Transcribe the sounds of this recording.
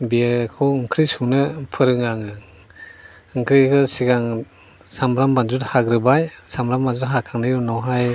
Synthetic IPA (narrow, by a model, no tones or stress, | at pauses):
biakʰɯwɯŋkʰɾisuŋnɯpʰɯɾɯŋaŋɯ | ɯŋkʰɾikʰɯsiɡaŋ | samɾambanzuthaɡɾɯbajsamɾambanzutɦakʰaŋnɯjɾunɔwɦaj